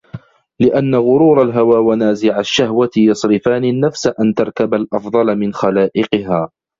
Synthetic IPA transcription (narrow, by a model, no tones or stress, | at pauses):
lɪʔanːaɣʊɾuːɾˤalɦawaːwanaːzɪʕaʃːahwat̪jɑsˤɾɪfaːnɪnːafsaʔant̪ɑɾˤkabalʔɑfd̪ˤɑlmɪnxalaːʔɪqɨɦaː